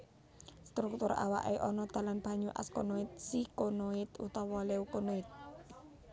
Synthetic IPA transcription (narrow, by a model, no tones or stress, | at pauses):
st̪ɾuk̚t̪ʊɾa̰wa̰ʔeʔɔnɔd̪̥a̤lanb̥ä̤ɲuʔa̰skonoɪt̪̚sikonoɪt̪ṵt̪ɔwɔleukonoɪt̪̚